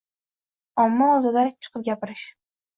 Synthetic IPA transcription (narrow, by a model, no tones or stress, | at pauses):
ɒmːaɒlˠd̪ɪd̪at͡ʃʰɨ̥qʰɨp̚ɡʲapɪɾɪʃ